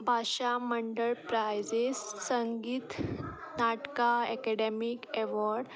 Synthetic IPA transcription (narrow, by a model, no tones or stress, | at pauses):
bʱaɕaməɳɖəɭpɾajd͡ʑessəŋɡiːt̪ | naʈkaɛkɛɖemikeʋɔɾɖ